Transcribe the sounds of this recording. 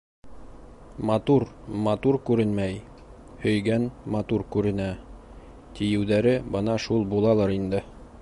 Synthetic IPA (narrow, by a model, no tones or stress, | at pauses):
mɑt̪uɾmɑt̪uɾkʉɾɘnmæj | hɵ̆jɡænmɑt̪uɾkʉɾɘ̆næ | t̪ijɘ̆wðæɾɘbɤnɑʃulˠbulˠɑlˠɑɾind̪ɘ